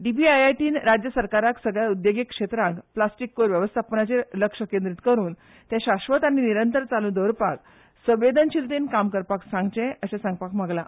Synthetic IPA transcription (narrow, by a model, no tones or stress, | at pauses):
ɖibiajajʈiːnɾad͡ʑjəsəɾkaɾaksəɡɭjaud̪joɡekʂet̪ɾãŋkplasʈikːoɾʋjəʋəst̪ʰapənat͡ɕeləkʂəkẽnd̪ɾit̪kəɾuːn | t̪jãɕaɕʋət̪aɽ̃iniɾənt̪əɾt͡salũd̪əwɾpak | sə̃ʋed̪ʱənɕilt̪enkamkəɾpaksãŋɡt͡ɕẽəɕãsãŋɡ̚pakm̤aɡla